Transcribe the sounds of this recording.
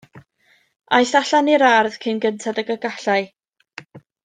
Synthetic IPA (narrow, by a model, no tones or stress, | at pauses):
ajɬaɬaniɾarð̥kʰɪnɡəntʰadəɡəɡaɬaɨ